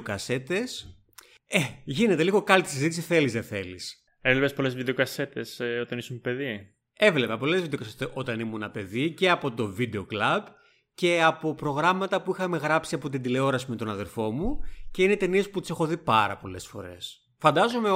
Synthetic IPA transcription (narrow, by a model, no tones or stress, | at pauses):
kɐse̞t̪es | eʝine̞t̪e̞liɣo̞kɐlit̪i̥sizit̪isiθe̞lizðeθe̞lis | evlepespo̞lezvid̪eokɐse̞t̪e̞sot̪ɐnisumpe̞ði | e̞vle̞pɐpo̞le̞zvid̪eokɐst̪eʔo̞t̪ɐnimunɐpe̞ðice̞ɐpo̞t̪o̞vid̪e̞o̞klɐb | ce̞ɐpo̞pɾo̞ɣɾɐmɐt̪ɐpuixɐme̞ɣɾɐpsiɐpo̞t̪̬ind̪ile̞o̞ɾɐsimet̪o̞nɐðe̞ɾfo̞muce̞inet̪e̞niesput̪ise̞xo̞ðipɐɾɐ̰po̞le̞sfo̞̰ɾe̞̰s | fɐnd̪ɐzo̞me